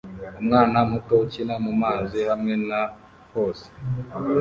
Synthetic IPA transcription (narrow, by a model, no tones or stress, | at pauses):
umŋaːnamutot͡ʃinamumaːzihamŋena | hoːse̥